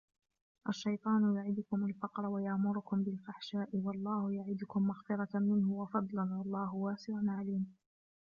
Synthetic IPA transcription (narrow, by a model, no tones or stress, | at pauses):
ʔaʃːajt̪ˤɑːnʊjʊʕɪd̪ʊkʊmalfɑqɾˤɑwajaʔmʊɾʊkʊmbɪlfaħʃaːʔɪwɑlˤːɑːhʊjaʕɪd̪ʊkʊmːaxfɪɾˤɑmɪnhʊwɑfɑd̪ˤlanwɑlˤːɑːɦʊwaːsɪʕanʕaliːm